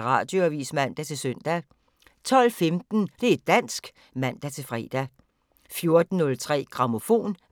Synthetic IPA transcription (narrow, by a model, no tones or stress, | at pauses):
ʁɑ̰̈d̥joæʋiːsmæn̰d̥æt͡sʰe̝lsøn̰d̥æ | t͡sʰɒ̽l̰femd̥n̩d̥e̝æed̥̚ːæn̰sɡ̥ | mæn̰d̥æt͡sʰe̝fʁɛ̰ːd̥æ | fjo̝ɐd̥n̩ːɔ̽lt͡sʰʁɛ̰ːɡ̥ʁɑ̈mo̝fo̝̰ːn